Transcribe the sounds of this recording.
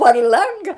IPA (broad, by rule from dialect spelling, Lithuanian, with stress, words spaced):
pɐr ˈlˠɐŋɡɐ